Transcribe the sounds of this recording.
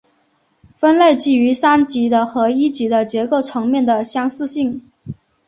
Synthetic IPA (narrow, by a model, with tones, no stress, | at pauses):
fə˥nle˥˩ɪt͡ɕi˥˩y˧˥sa˥nt͡ɕi˧˥d̪ə˧xɤ˧˥i˥t͡ɕi˧˥d̪ə˧t͡ɕjɛ˧˥ko˥˩ʊt͡sʰɤ˧˥ŋmjɛ˥˩nd̪ə˩ɕjɑ˥ŋsɹ̩˥˧ɕi˥˩ŋ